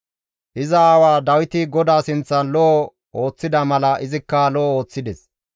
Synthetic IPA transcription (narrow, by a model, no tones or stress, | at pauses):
ʔɪzɐaːwaːd̪ɐwɪt̪ɪɡɔd̪aːsɪnt͡sːɐnlɔʔ | ʔo̞ːt͡sːɪd̪ɐmɐlɐʔɪzɪkːɐlɔʔo̞ːt͡sːɪd̪ɛs